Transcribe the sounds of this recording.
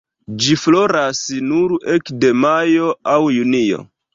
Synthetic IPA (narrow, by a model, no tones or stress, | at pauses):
d͡ʒiflo̞ɾasnuɾekde̞majo̞awjunio̞̰